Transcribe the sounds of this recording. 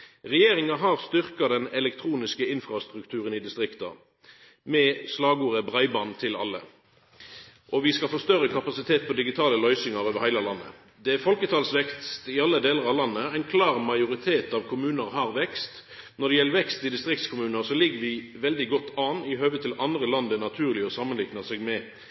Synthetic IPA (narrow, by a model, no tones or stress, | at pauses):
ʁɛjeːʁɪŋɑɦɑʁst̪ʏʁkɑd̪ɛnɛlɛk̚t̪ʰɾuːnɪskəɪnfʁɑst̪ʁʉkt̪ʰʉːʁənɪd̪ɪst̪ʁɪkt̪ɑ̰ | mɛslɑːɡuːʁəbʁɑɪbɑːnt̪ʰɪlɑ̰lːə̰ | ʔɔʋɪskɑlfɔːst̪œʁəkʰɑpɑsɪt̪ʰeːt̪̚pʰɔd̪ɪɡɪt̪ʰɑːləlœʏsɪŋɑʁoːʋəɾhæɪləlɑnːə̰ | d̪ɛæfɔlkət̪ʰɑːlsʋɛkt̪st̪ɪɑlːəd̪eːləʁɑʋlɑnːəæɪnkʰlɑːʁmɑɪʊʁɪt̪ʰeːt̪ɑʋkʰʊmʉːnəʁhɑːʁʋɛkst̪ | nɔd̪ɛjɛləʋɛkst̪ɪd̪ɪst̪ʁɪk̚t̪skʰʊmʉːnəʁsɔlɪɡːəɾʋɪ | ʋɛld̪ɪɡɔt̪ːɑːnɪɦøːʋət̪ʰːɪlʔɑnd̪ʁəlɑnd̪ənɑt̪ʰʉːʁlɪɔsɑmːənlɪknəsɛːɡmɛ